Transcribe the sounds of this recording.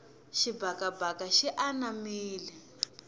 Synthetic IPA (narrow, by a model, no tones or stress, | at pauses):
ʃibakabakaʃiʔanamiːlɛ